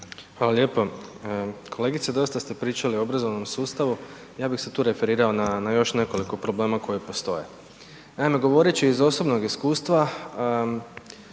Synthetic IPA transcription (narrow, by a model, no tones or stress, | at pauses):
hʋaːlalʲje̞ːpo | kʰo̞leɡit̪sed̪o̞jist̪ast̪e̞pɾiːt͡ʃalioobɾazo̞ʋno̞msuːst̪aʋu | jaːbixset̪uːɾe̞fe̞ɾiːɾao̞nanajo̞ʃne̞ko̞liko̞pɾo̞ble̞ːmako̞jipo̞st̪o̞̰je̞ | naime̞ɡo̞ʋo̞ɾet͡ɕiːzo̞so̞bnoɡiskuːst̪ʋa